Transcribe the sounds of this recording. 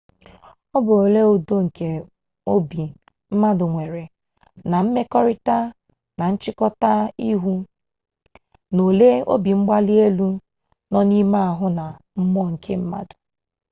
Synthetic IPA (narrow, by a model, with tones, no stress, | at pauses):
ɔ˦bʊ˨ɾo˨le˦o˨do˦ŋ̩˨ke˨ | o˦bi˨ | m̩˦ma˦dʊ˨ŋʷe˨ɾe˨ | na˨m̩˦me˦kɔ˦ɾɪ˦ta˦ | na˨n̩˦t͡ʃɪ˦kɔ˦ta˦i˦ɦu˦ | no˨le˦o̰˦bi˨ŋ͡m̩˦ɡ͡ba˦li˦e˦lu˦ | nɔ˦ni˦ma˦a˨ɦʊ˦na˨ | m̩˦mɔ˦˨ŋ̩˨kʰe˦m̩˦ma̰˦dʊ̥˨